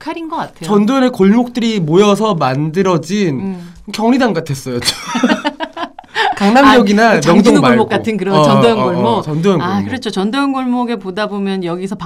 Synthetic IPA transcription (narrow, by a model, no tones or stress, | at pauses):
kʰaɾinɡʌk͈atʰet͡ɕʌndonɯɭkoɭmok̚t͈ɯɾimojʌs̬ʰʌmandɯɾʌd͡ʑin | kjʌŋɾidaŋɡatʰes͈ʌjod͡ʑo | kaŋnamjʌɡinat͡ɕjʌŋdoŋmoɭmokk͈atʰɯnkɯɾʌt͡ɕʌndojʌnɡoɭmot͡ɕʌndoʌŋakɯɾʌt͡ɕʰot͡ɕʌndoʌnɡoɭmoɡe̞podabomjʌnjʌɡisʰʌp